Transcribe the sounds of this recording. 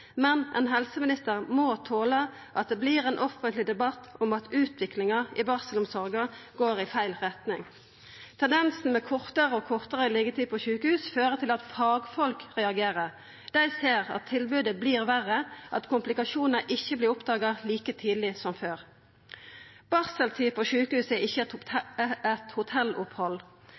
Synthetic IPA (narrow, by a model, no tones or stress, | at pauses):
mɛnʔɛ̰nɦɛlsəmɪnɪst̪əʁmoːt̪ʰoːlɑ | ʔɑt̪̚d̪ɛːbliːʁeːnʔɔfənt̪lɪd̪ɛbɑt̪ːʊmɑt̪ʉːt̪ʰʋɪklɪŋɑɪbɑʁsəlʊmsɔʁɡɑɡ̥oːʁɪfæɪlʁɛt̪nɪŋ | t̪ʰɛnd̪ɛnsn̩mɛkʰɔʁt̪əʁəɔkʰɔʁt̪əʁəɪlɛɡət̪ʰiːd̪pɔʃʉːkəhʉːsføːʁət̪ʰɪlɑt̪fɑːɡfɔlkʁɛɑɡeːʁəʁ | d̪̥æɪseːʁɑ̰t̪ʰːɪlbʉːd̪əbliːʁʋæʁəʔɑt̪kʊmplɪkɑʃuːnəʔɪçːəblɪʁʊpd̪ɑːɡɑliːkət̪ʰiːd̪l̩ɪsɔmføːʁ | b̥ɑʁsəlt̪ʰiːpʰɔʃʉːkəhʉːsɛɪçːə | ɛt̪hʊt̪ʰɛlʊphɔl